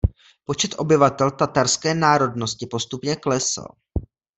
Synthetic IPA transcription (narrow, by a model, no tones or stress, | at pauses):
po̞t͡ʃɛt̪ʔo̞bɪvat̪ɛlt̪at̪aɾskɛːnaːɾo̞dno̞scɪpo̞st̪upɲɛklɛsa̰l